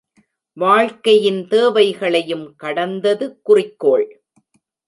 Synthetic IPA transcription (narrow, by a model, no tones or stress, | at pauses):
ʋaːɻkɐjɪnt̪eːʋɐɪɣɐɭɐjɯmkɐɽɐnd̪ɐðɯkːʊrɪkːoːɭ